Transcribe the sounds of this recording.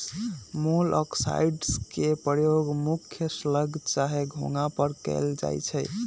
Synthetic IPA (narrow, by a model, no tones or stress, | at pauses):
molʔɔ̰ksa̰jɖskepɾəjoɡmukʰjəsləɡʱt͡ʃaɦeɡʱo̰ŋapəɾkə̰ld͡ʒa̰jt͡ʃʰə